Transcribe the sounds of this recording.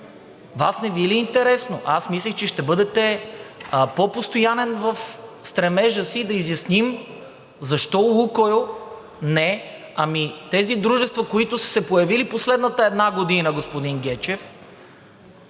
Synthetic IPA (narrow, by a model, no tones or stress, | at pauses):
vasnɛviliːnt̪ɛɾɛsnoʔasmislʲɛxt͡ʃɛʃt̪ɛbɤd̪ɛt̪ɛ | popost̪ojanɛnvəfst̪ɾɛmɛʒəsid̪ɐizjɐsnim | zɐʃt̪ɔukojo | nɛ | ɐmit̪ɛzid̪ɾuʒɛst̪vəkoit̪ʊsə̥sɛpojɐviliposlɛd̪nət̪əɛd̪naɡod̪inəɡospod̪iŋɡʲɛt͡ʃɛf